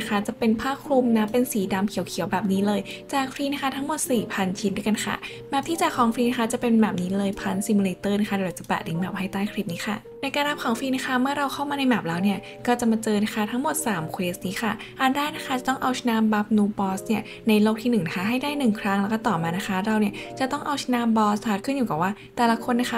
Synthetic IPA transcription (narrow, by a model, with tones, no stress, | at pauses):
kʰa˦˥t͡ɕa˨˩pe˧npʰaː˥˩kʰɾu˧mna˦˥pːe˧nsiː˩˦da˧mkʰi˨˩˦wkʰi˨˩˦wbɛː˨˩p̚niː˦˥lɤː˧jt͡ɕaː˨˩k̚fɾiː˧na˦˥kʰa˥t̪ʰa˦˥ŋmo˨˩t̪̚siː˨˩pʰa˧nt͡ɕʰi˦˥ndu˧˥˩jka˧nkʰa̰˥˩ | mɛː˨˩p̚t̪ʰiː˥˩t͡ɕaː˨˩kʰɔː˩˦ŋfɾiː˧na˦˥kʰa˦˥t͡ɕa˨˩pe˧nmɛː˨˩p̚niː˦˥lɤː˧jpʰa˧nsi˧mu˧leː˧t̪ɤː˥˩na˧˥˩xʰa˦˥da˧˩t͡ɕḁ˨˩pɛ̰˨˩li˨˦ŋmɛː˨˩p̚ha˥˩jt̪aː˥˩jkʰɾliː˧˦˩p̚niː˦˥xʰa˥˩ | na˧jkaː˧nɾa˦˥p̚kʰɔː˨˩˦ŋfɾiː˧na˦˥xʰa˦˥˩mɯ˥˩ɐɾa˧wkʰa˥˩wmaː˧na˧jmɛː˨˩p̚lɛː˦˥wni˥˩ɐ | kɔː˥˩t͡ɕa˨˩maː˧t͡ɕɤː˧na˦˥kʰa˥˩t̪ʰa˦˥ŋmo˨˩t̪̚saː˨˩˦mkʰweː˦˥st̪̚niː˦˥xʰa˥˩ | ʔa˧˩ndaː˥˩jna˦˥kʰa˦˥t͡ɕa˨˩t̪ɔ˥˩ŋʔa˧wsʰnaː˧mba˦˥p̚nuː˧bɔː˦˥sni˥˩ɐ | na˧jloː˥˩k̚t̪ʰiː˥nɯ˨˩ŋna˦˥kʰa˥ɦa˥˩jdaː˥˩jnɯ˨˩ŋkʰɾa˦˥ŋlɛː˦˥wkɔː˥˩t̪ɔː˨˩maː˧na˦˥kʰa˦˥ɾa˧wni˥˩t͡ɕa˨˩t̪ɔ˥˩ŋʔa˧wsʰnaː˧˥mbɔː˦˥st̪ʰaː˧˩kʰɯ˥˩njuː˨˩kaː˨˩waː˥˩t̪ɛː˨˩la˦˥kʰo˧nːa˦˥kʰa˦˥